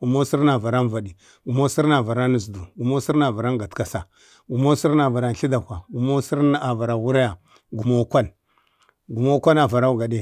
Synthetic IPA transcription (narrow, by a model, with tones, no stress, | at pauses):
ɡu˨mo˦si˦ɾn˦a˨va˨ɾa˦n˦va˨di˨ | ɡu˨mo˦si˦ɾna˨va˨ɾa˦nu˨s̬du˨ɡu˨mo˦si˦ɾna˨va˨ɾa˦ɡa˨tka˨sa˨ | ɡu˨mo˦si˦ɾa˨va˨ɾa˨n˨ɬi˦da˨kʷa˨ɡu˨mo˦si˦ɾn˦a˨va˨ɾa˨wu˦ɾa˦ja˨ | ɡu˨mo˦kʷa˦n | ɡu˨mo˦kʷa˦na˨va˨ɾa˦u˦ɡa˨de˦